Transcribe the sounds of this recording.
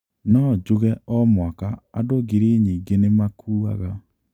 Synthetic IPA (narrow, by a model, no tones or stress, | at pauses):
nɔd͡ʒoɣɛʔɔmwakaadoɣeɾeɲiːŋɡenemakʰuːa̰ɣa